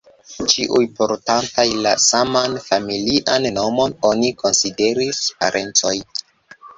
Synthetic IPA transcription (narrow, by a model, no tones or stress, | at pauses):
t͡ʃiʔujpo̞ɾtantajlasamanfamiliʔanno̞mo̞no̞niko̞nside̞ɾispa̰ɾʔe̞nt͡so̞j